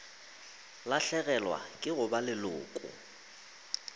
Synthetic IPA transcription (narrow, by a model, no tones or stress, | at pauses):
laɬɛɣɛlwa̰kʼɪɣʊbalɪlʊ̰ːkʼʊ̰